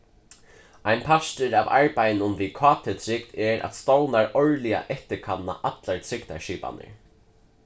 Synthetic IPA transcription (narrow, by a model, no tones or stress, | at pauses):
ajnpʰast̪əɾaːva̰ɹpajnʊnviðkʰɑːt̪ʰɪt̪ʰɾɪkt̪ɛɾa̰t̪st̪ownaɹɔɹlia̰ʔɛht̪ɪkʰanːa̰ʔat̪laɹt̪ʰɾɪkt̪a̰ʃiːpa̰nɪ̰ɹ